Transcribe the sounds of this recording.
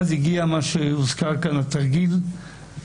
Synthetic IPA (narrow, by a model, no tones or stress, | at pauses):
ziɡiamaʃeuzkaʁkanlat̪aʁɡil